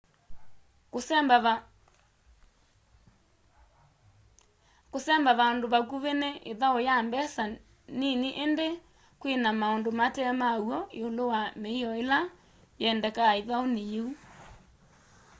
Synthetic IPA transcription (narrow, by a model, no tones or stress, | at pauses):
kosɛmbaβaondoβak̬uβeneʔeðaojambɛsa | niniʔende | kwenamaondomatɛmauɔeolowameiɔela | jɛndɛkaeðaonejeu